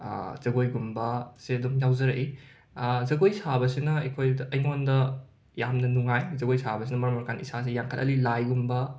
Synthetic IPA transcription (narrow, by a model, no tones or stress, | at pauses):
z̥ɐɡojɡumbɐsedumjawzɐɾɐʔi | zɐɡojsabɐsinɐɐjkʰojdʔɐjŋondɐ | jamnɐnuŋajzɐɡojsabɐs̬inɐmɐɾmɐɾkʰanisas̬ejaŋkʰɐtɐ̰lilajɡumbɐ